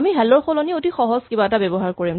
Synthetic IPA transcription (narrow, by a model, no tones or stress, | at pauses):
miɦɛlɔɹxɔlɔniotixɔɦɔzkibaɛtabɛbɔɦaɹkoɹim